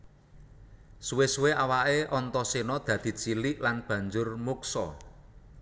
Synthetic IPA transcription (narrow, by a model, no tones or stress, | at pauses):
suwesuweʔawaʔeʔɔnt̪ɔsinɔd̪̥ä̤d̪̥i̤t͡ʃilɪʔlanb̥ä̤ɲd͡ʒʊrmuksɔ